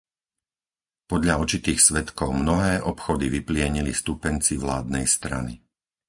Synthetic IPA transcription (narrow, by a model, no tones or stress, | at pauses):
pɔd̪ʎaɔt͡ʃit̪iːxsʋɛt̪kɔʊmnɔɦɛːʔɔpxɔd̪iʋiplɪɛɲilist̪upɛnt͡siʋlaːd̪nɛjst̪ɾa̰nḭ